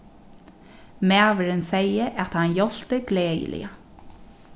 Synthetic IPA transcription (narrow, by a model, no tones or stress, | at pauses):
mæːʋəɾɪnsɛjəʔæt̪hanjɔl̥t̪əɡleːjə̰lɪ̰a